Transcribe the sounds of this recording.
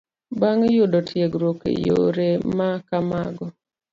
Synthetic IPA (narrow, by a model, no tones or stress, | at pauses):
baŋjʊdɔtjeɡɾokḛjo̰ɾemakamaɡɔ